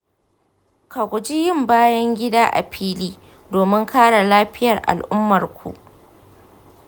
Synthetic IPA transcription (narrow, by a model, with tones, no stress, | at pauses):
ka˨kʷʊ˨d͡ʒi˦jɪ˦˨mbaː˦jɐ˦ŋɡʲɪ˦daː˦ʔa̰˨ɸʰiː˦liː˦ | doː˨mɪ˦ŋkʰaː˦ɽa˨laː˦ɸɪ˦jɐ˨rʔa̰˨lʔʊ˦mːɐ˨rkʷṵ˨ʔ